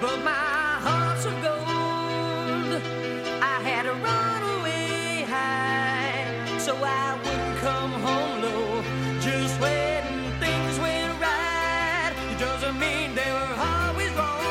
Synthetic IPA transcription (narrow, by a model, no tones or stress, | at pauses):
b̥ʌt̚maɪɦɑɹtsəɡoʊ | llˠ | d | aɪɨɾɨɹʌnəwe | ɦa | soʊaɪwʊdⁿn̩kʰʌ̃mɦõʊ̃mlo̥ | d͡ʒʌst̚wɛ̃ | ŋθɪ̃ŋzwɨ̃nɹa | t̚ɨdʌzɨ̃nmĩnðeɪwə˞ɔlˠwɪzɹɔ